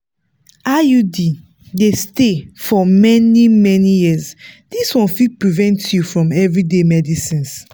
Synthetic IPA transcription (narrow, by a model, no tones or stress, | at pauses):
ajudi | destefɔmɛnimɛnijisd̥iswɔ̃nfid̚pɹivɛ̃ntjufɹɔ̃mɛvɹidemɛdisĩns